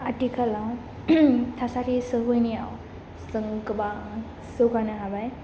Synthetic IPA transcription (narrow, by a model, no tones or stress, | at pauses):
aʈikʰala | t̪ʰasaʈisəʋəjniaw | səŋkba | sokanəɦabaj